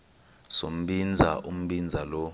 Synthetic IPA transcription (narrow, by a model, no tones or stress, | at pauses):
so̰m̩ɓind͡zʱaʔum̩ɓind͡zʱalɔ